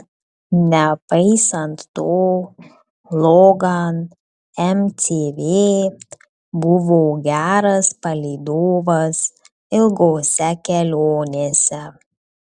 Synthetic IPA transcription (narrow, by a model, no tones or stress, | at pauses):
nʲɛpɐɪsɐnt̪t̪oː | lˠɔɡɐn | ɛmt̪ʲeːʋʲeː | bʊʋoːɡʲæːɾɐspɐlʲɛɪd̪oːʋɐs | ɪlˠɡoːsʲɛkʲɛlʲoːnʲeːsʲɛ